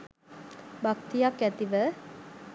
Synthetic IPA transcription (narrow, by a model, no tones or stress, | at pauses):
bakt̪ijakːæt̪iʋə